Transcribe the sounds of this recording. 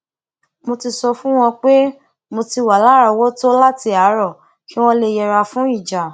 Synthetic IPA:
mo˧ti˧sɔ˧fũ˦w̃ɔ̃˧k͡pe˦ | mo˧ti˧wa˨la˨˦ɾa˧˨wɔ˦to˦la˦ti˧a˨˦ɾɔ˦˨ | ki˦w̃ɔ̃˦le˧jɛ˧ɾa˧fũ˨˦i˦˨d͡ʒa˨

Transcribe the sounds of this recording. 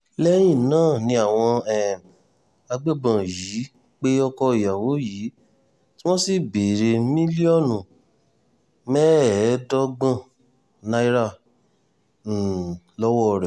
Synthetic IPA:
lɛ˦j̃ĩ˦˨nãː˦˨nĩ˧a˨w̃ɔ̃˧ɛ˨ | a˧ɡ͡be˦˨bã˨ji˨˦ | k͡pe˦ɔ˧kɔ˧i˨ja˨wo˨˦jiː˨˦ | ti˦w̃ɔ̃˦si˦˨be˨ɾe˧mĩ˦li˦ɔ˦˨nũ˨ | mɛ˦˨˦dɔ˦ɡ͡bã˦˨ | nã˧i˦ɾa˦˨ | lɔ˦wɔ˦˨ɾɛ˨

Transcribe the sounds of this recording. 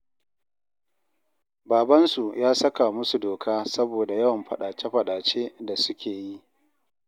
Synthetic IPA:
baː˨bɐ˦nsu˨jʔaː˦sɐ˦ka˨mʊ˦su˨doː˨kʰaː˦sɐ˦boː˨da˨jɐ˦wɐ˨mɸɐ˨ɗaː˨t͡ʃe˦ɸɐ˨ɗaː˨t͡ʃeː˦da˨sʊ˦kʲʰeː˨ji˦ʔ

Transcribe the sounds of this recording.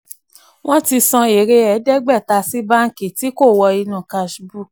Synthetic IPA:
w̃ɔ̃˦ti˧sɔ̃˧e˨ɾe˧ɛ˨˦dɛ˦ɡ͡bɛ˦˨ta˧si˦ba˦ŋ̩˦ke˨ti˨˦ko˦˨wɔ˧i˧nũ˨ka˧ʃbu˦˨k

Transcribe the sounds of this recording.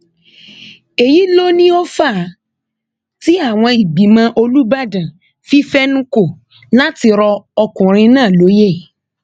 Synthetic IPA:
e˨ji˨˦lo˦nĩ˦o˦fa˦˨˦ | ti˦a˦˨w̃ɔ̃˧i˨ɡ͡bi˨˦mã˧ʔo˧lu˦ba˦dã˨ | fi˦fɛ˦nũ˦ko˦˨ | la˦ti˧ɾɔ˧ɔ˧kũ˨ɾ̃ĩ˧nãː˦˨lo˨˦je˦˨

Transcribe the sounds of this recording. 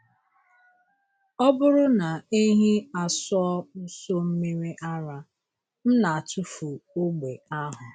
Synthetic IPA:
ɔ˦bʊ˦ɾʊ˦na˨e˦ɦi˦a˨sʊ˦ɔ˦ʊ˦so˦m̩˦me˦ɾe˦ʔa˦ɾa˦ | n̩˦na˨a˨tʰʊ˦fu˨o˦ɡ͡be˨a˦ɦʊ˨

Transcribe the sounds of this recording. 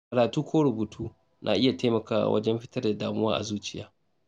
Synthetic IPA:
kɐ˨ɾaː˨tuː˦kʷʰoː˦ɽʊ˨buː˨tʰuː˦ | nʔa̰ː˨ʔɪ˦ja˨teː˦mɐ˨ka̰ː˨wɐ̰˦d͡ʒɛ˦mɸɪ̥˦tɐ˦rda˨daː˨mʊ˦waː˦ʔa̰˨zuː˦t͡ʃɪ˨ja̰ː˦

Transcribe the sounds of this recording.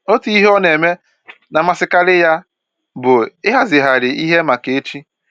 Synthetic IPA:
o˦tu˦i˦ɦɔ˦ne˨me˦ | na˨ma˨sɪ˦ka˦lɪ˦ja˦ | bʊ˨ɪ˦ɦa˦zɪ˨ɦa˨ɾɪ˨i˦ɦe˦ma˨ke˨e˦t͡ʃi˦

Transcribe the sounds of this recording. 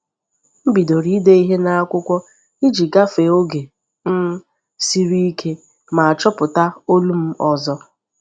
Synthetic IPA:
m̩˦bi˨do˨ɾi˦de˦i˦ɦe˦na˦a˦kʷʊ˦kʷɔ˦ | i˦d͡ʒi˨ɡa˦fe˨o˦ɡe˨ | m̩˦ | si˦ɾi˦i˦kʰe˦ | ma˨a˨t͡ʃɔ˦pʊ˨ta˦o˦lu˦m̩˦ɔ˨zɔ˦

